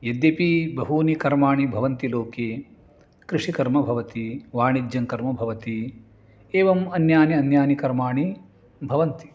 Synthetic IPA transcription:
jɐd̪jɐpibɐɦuːnikɐɾmaːɳibʱɐʋɐnt̪iloːkeː | kɾiʂikɐɾmɐbʱɐʋɐt̪iʋaːɳid͡ʒjɐŋkɐɾmɐbʱɐʋɐt̪i | eːʋɐmɐnjaːniɐnjaːnikɐɾmaːɳi | bʱɐʋɐnt̪i̥

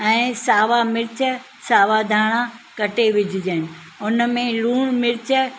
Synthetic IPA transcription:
ɛ̃ːsaːʋamɪɾɪt͡ɕə | saːʋad̪ʱaːɽ̃akɐʈeʋɪd͡ʑʱɪd͡ʑənɪ̆ | ʊnəmẽluːɽ̃mɪɾɪt͡ɕə

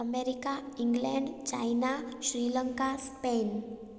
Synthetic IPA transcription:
əmeɾikaiŋɡleɳɖt͡ʃa̰inaʃɾiləŋkaspen

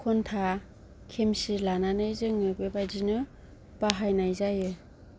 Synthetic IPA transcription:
kʰɔntʰa | kʰemsilananɯjzɯŋɯbebazinɯ | paɦajnajzajɯ

